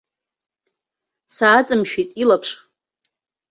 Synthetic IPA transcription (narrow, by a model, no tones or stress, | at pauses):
saːt͡sʼɨmʃᶣitʼilapʰʂ